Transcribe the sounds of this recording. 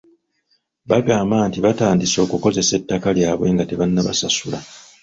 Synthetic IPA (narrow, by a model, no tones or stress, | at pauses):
βaɡaːmbaːntiβataːndiso̞ːkuko̞ze̞se̞tːakaljaːβwe̞ːŋɡate̞βanːaβa̰sasula